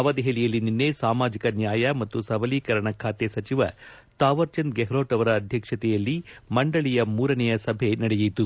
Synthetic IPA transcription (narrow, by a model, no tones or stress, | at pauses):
ɐʋɐd̪eɦeːɭijɐlːininːesaːmaːd͡ʒikɐnjaːjɐmɐt̪ːusɐbɐliːkɐɾɐɳɐkʰaːt̪esɐt͡ʃiʋɐ̰ | t̪aːʋɐɾt͡ʃɐnd̪̚ɡeɦɾoːʈɐʋɐɾɐːd̪ʱjɐkʂɐt̪ɛjɐlːimɐɳɖɐɭijɐmuːɾɐnɛjɐsɐbʱenɐɽɛjit̪u